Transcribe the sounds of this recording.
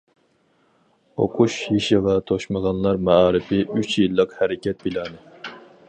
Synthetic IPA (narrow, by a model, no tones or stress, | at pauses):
o̰qʰuʃjiʃiʁɑt̪ʰoʃməʁɑnlˠɑɾmɑɑːɾɪpʰɪʔyt͡ʃʰjilˠːəqhæɾɪkʲɛt̪̚bilɑːnɨ